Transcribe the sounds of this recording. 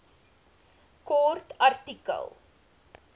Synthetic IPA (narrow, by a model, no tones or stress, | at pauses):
kɔrtɐrtikə̰lˠ